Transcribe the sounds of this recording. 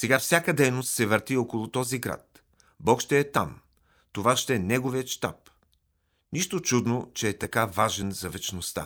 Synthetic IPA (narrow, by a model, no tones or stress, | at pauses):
sɛɡafsʲjakəd̪ɛjnost̪sɛvəɾt̪iɔkolˠʊt̪ɔziɡɾa̰t̪̚ | bɔkʃt̪ɛːt̪a̰m | t̪ovaʃt̪ɛɛnɛɡoviət̪ʃt̪a̰p̚ | niʃt̪ot͡ʃud̪not͡ʃɛːt̪ɐkavaʒɛnzɐvɛt͡ʃnost̪a̰